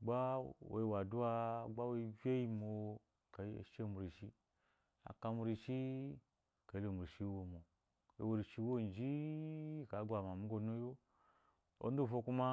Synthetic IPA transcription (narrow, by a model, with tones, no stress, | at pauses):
ɡ͡ba˦wo̰˨wa˨du˦a˦˨ɡ͡ba˦we˦˧˦ve˦ji˦mo˧˨˧ | ka̰˨˦˨ʃe˦˨mu˨ɾi˨ʃi˦ | a̰˨ka˧mu˧ɾi˧ʃi˦ | ka˨i˦lo˨mu˨ɾi˨ʃi˦wo˨mo˨ | ḛ˨wo˧ɾi˨ʃi˧˦wo˦˨n˨d͡ʒi˦˨ | ka˨˦ɡʷa˨ma˨mu˦ɡo˧˦no˦jo˦ | o̰˦n˦du˦˨fo˧ku˦ma˦